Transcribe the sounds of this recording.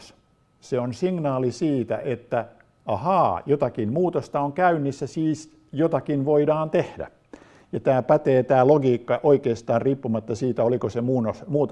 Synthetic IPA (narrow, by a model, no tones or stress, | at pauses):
s | seonsiŋnɑːlisiːt̪æ̰ʔet̪ːæ | ɑhɑːjot̪ɑkimmuːt̪ost̪ɑoŋkæynːisːæsiːs | jot̪ɑkinʋoidɑːnt̪ehdæ̰ | jɑt̪æːpæt̪eːt̪æːloɡiːkːɑʔoikeːst̪ɑːrriːpːumɑt̪ːɑsiːt̪æolikosemuːnosmuːt̪